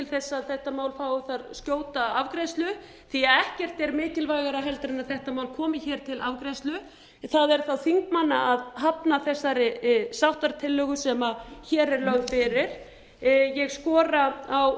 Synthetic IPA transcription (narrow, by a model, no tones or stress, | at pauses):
t̪ɪlθɛsːaðθɛht̪amaːwlfaːwʏθaɾscoːwt̪aavkɾajst̪lʏ | θiaɛhcɛr̥t̪ɛɾmɪːcɪlvajɣaɾaɦɛlt̪ɾɪnaðθɛht̪amaːwlkʰɔːmɪçɛːɾ̥t̪ʰɪlavkɾajst̪lʏ | θaðɛɾ̥θawθiŋkmanːaʔaðɦapnaθɛsːaɾɪsawht̪aɾt̪ʰɪlːœːɣʏsɛmaçɛːɾɛɾlœɣfɪɾɪɾ̥ | jɛɣskɔːɾaaw